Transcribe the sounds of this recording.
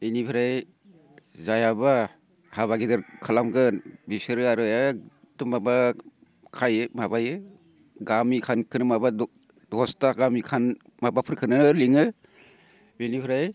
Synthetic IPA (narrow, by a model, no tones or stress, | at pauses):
ejnibʰɯɾaj | zajaba | haβaɡidɯɾkʰalamɡɯnbisɯɾɯaɾɯja | tumaba | kʰajɯmabajɯ | ɡamikʰankʰɯnɯmaba | dɔstaɡamikʰan | mabapʰɯɾkʰɯnɯnɯliŋɯ | benibʰiɾaj